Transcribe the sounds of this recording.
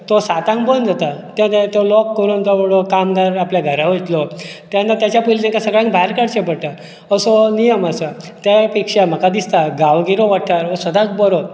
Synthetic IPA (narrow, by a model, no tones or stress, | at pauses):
t̪ɔsat̪ãŋkbond͡zat̪at̪jãt̪et̪olɔkːəɾuːnt̪ɔbəɽɔkamd̪aɾapljaɡʱəɾaʋot̪lɔt̪jãnːat̪jat͡ɕapuilt̪ɛ̃ŋkasəɡɭãŋkbʱaɾkaɽt͡ɕẽpəɽt̪a | əsɔnijəmasat̪epikʂam̤əkad̪ist̪aɡaʋɡiɾoʋaʈʰaɾʋəsəd̪ʱãk̚bɔɾɔ